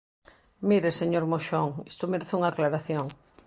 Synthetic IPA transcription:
miɾeseɲoɾmoʃoŋist̪ʊmeɾeθuŋaːklaɾaθjoŋ

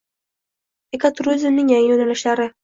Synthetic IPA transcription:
ekat̪ʰɾuzɪmnɪŋjaŋjonalɪʃlaɾɪ

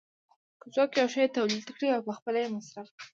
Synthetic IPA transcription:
kəzwɑkeɑʃajet̪awlit̪kɽiawpəxpəlajemasɾaf

